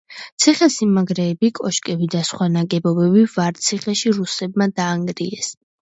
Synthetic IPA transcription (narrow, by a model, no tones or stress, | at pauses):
t̪sʰiχɛsimaɡɾɛːbikʼɔʃkʼɛbid̪asχwanaɡɛbɔbɛbivaɾt̪sʰiχɛʃiɾusɛbmad̪aːŋɡɾiɛs